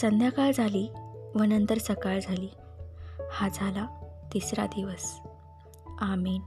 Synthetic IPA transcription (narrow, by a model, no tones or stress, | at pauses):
sənd̪ʱjakaɭd͡zʱaliːʋənənt̪əɾsəkaɭd͡zʱaliː | had͡zʱalat̪isɾa̰d̪iʋəs | amin